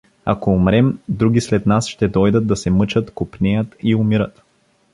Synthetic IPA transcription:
a̰koːmɾɛmd̪ɾuɡʲislɛt̪nasʃt̪ɛd̪ɔjd̪əd̪̚d̪ːɐsɛmɤt͡ʃət̪kʊpnʲɛjət̪iʊmiɾət̪

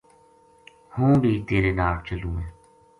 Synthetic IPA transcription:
hũːbʱiːt̪eːɾeːnaːɾt͡ʃəlũːẽː

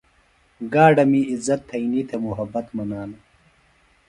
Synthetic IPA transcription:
ɡaːɖɐmiizɐt̪ʰːɐinit̪ʰemuɦɐbɐt̪mɐnaːnɐ

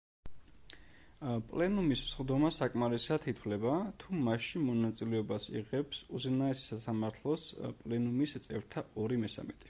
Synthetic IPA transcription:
pʼlɛnumissχd̪ɔmasakʼmaɾisat̪ʰit̪ʰwlɛbat̪ʰumaʃimɔnat̪sʼilɛɔbasḭʁɛpsuzɛnaɛsi̥sasamaɾt̪ʰlˠɔspʼlɛnumist̪sʼɛvɾt̪ʰaɔɾimɛsa̰mit̪ʼi̥

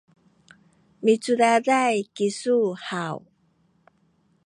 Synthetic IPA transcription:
mit͡suɾaɾajkisuhaw

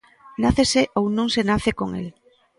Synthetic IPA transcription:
naθeseʔownõŋsenaθekoŋḛl

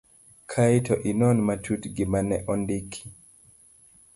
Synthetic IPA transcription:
kʰaitʰɔʔinɔnmatʰutɡimanɛʔɔndikʰːi̥

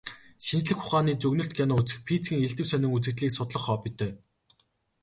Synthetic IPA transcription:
ʃint͡ɕɮɘ̆xχʊχaːniːt͡sɵɣnɵ̆ɬt̪̚ɡʰʲanʊːut͡sɘ̆xpʰit͡sɡʲiːŋeɮt̪ɘ̆ksœnʲɪ̆ŋut͡sɘ̆k̚t̪ɮiːksʊt̪ɮɞ̆χɔːpit̪œː

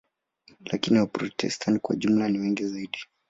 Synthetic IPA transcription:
lakiniwapɾɔtʰɛ̰stʰantikwa̰ʄum̩laniwɛŋɡizaiɗi

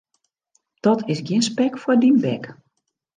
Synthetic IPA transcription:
d̥ɔtɪsɡjɪənspɛkfwədinbɛk

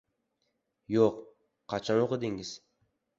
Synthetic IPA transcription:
joq | qʰːɑt͡ʃʰɑnoqɨd̪ɪŋɪz̥

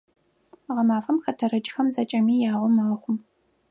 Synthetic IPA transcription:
ʁɐmaːfɐmxɐtʰɐɾɐt͡ʃʼxɐmzɐt͡ʃʼɐmiːjaːʁʷɔmaːχʷʊm

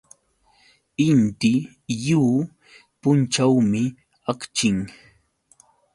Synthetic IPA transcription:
ɪnt̪ɪ | juː | pʊnt͡ʃawmɪ | akt͡ʃɪŋ

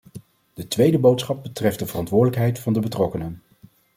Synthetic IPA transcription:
d̥ətʋejdəbowtsχɑb̚bətrɛfdəvərɑntʋʊːɹdələkɦɛjtfɑndəbətrɔkənən

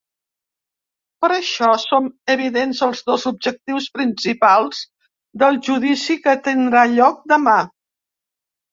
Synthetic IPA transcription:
pəɾəʃɔsoməβ̞iðenzəlˠzðozub̚ʒək̚t̪iwspɾinsipalˠz | d̪əlˠʒuðisikət̪ind̪ɾaʎɔk̚d̪əma

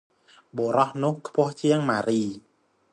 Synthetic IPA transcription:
ɓoːɾɑhnʊ̆əhkʰpʊ̆əht͡ɕiəŋmaːɾiː

